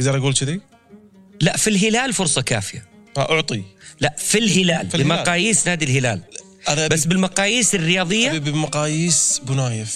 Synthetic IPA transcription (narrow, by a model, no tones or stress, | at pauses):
ɡd̪ɑɾˤʔaɡuːlt͡ʃɪd̪i | laʔfilɦɪlaːlfʊɾsˤɑka̰ːfɪja̰aʔʊʕt̪ˤilaʔfilɦɪlaːlbɪmɑqɑːjiːsnaːd̪ilɦɪla̰ːl | aðabasːbɪlmɑqɑːjiːsɪrːɪjɑːðˤɪjːabɪmaqɑːjiːsbʊnaːjɪf